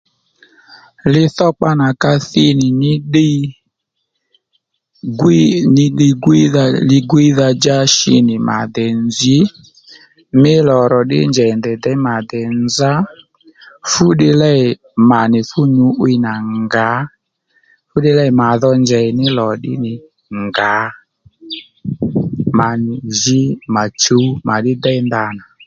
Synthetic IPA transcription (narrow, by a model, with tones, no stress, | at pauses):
lɪ˧θɔ˦k͡pa˦na˨ka˦θɪ˦nɪ˨nɪ˦ɗɪ˦ | ɡnɪ˦ɗɪ˧ɡwi˦ðalɪ˧ɡwi˦ða˧d͡ʒa˦ʃɪ˧˦nɪ˨ma̰˨d̪ɛ˨nd͡zi˨˦ | mɪ˦lɔ˨ɾɔ˨ɗɪ̰˦nd͡ʒɛ˨ndɛ˨d̪ɛ˨˦ma˨d̪ɛ˨nd͡za˦ | fʊ˦ɗɪ˧lɛ˦ɪ˨ | ma˨nɪ˨fʊ˦ɲu˨˦wi˦na˨ŋɡa˨˦ | fʊ˦ɗɪ˦lɛ˦ɪ˨ma˨ðɔ˧nd͡ʒɛ˨ɪ˨nɪ˦lɔ˨ɗɪ̰˦nɪ˨ | ŋɡa˨˦ | ma˨nɪ˨ʒɪ˦ma˨t͡ʃo˨˦ma˨ɗɪ˦d̪ɛ˦ɪ˦nda˨na˨